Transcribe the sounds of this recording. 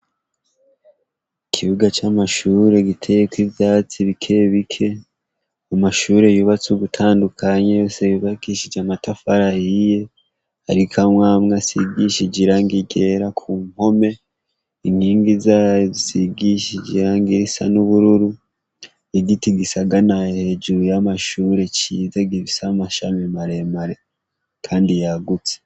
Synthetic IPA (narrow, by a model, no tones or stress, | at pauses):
ikʰiβuɡat͡ʃamaʃuɾe̞ɡitʰe̞jekwiβjaːt͡siβikʰe̞βikʰe̞ | amaʃuɾe̞juːβat͡suɡutʰaːndukʰaɲejo̞ːse̞juβakiʃid͡ʒamatafaɾahije̞ | ha̰ɾikʰamŋaːmŋasiɡiʃid͡ʒiɾaŋɡiɟe̞ɾakʰuːŋho̞me̞ | iŋhiːŋɡizazisiɡiʃiɟiɾaŋɡiɾisa̰nuβuɾuɾu | eɡitiɡisaɡanahhe̞d͡ʒuɾujamaʃuːɾe̞t͡ʃizaɡiβisamaʃamimaɾe̞maɾe̞ | kʰaːndijaɡut͡se̥